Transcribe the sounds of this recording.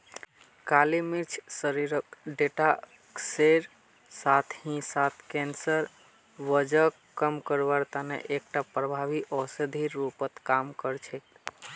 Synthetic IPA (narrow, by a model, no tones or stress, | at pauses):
kalimiɾt͡ʃʰsəɾiɾəkɖeʈa | kseɾ | sat̪ʰhĩsat̪ʰkɛnsəɾ | ʋəd͡ʒək | kːəmkəɾʋaɾt̪anḛʔek̚ʈapɾəbʱaʋiʔɔsed̪ʱiɾːupət̪kamkəɾt͡ʃʰɛk